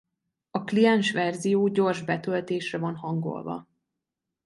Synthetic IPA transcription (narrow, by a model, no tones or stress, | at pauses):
ɒklijɛnʃʋɛrzijoːɟo̞rʒbɛt̪ølt̪eːʃrɛvɒnɦɒŋɡo̞̰lvɒ̰